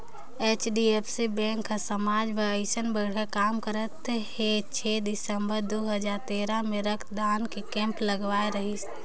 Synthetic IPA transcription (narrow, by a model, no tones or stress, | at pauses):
et͡ʃɖiepʰsibɛ̃ŋkʰasəmad͡ʒmeəɪsənbəɽ̤ɦakamkəɾət̪het͡ʃʰed̪isəmbəɾd̪uɦəd͡ʒaɾt̪eɾameɾəkʰd̪ankekɛ̃mpləɡʋaeɾəɦis